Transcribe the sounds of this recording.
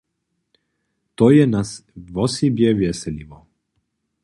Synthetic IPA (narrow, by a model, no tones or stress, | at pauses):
t̪oːjenasʋosibjeʋjesɛliʋo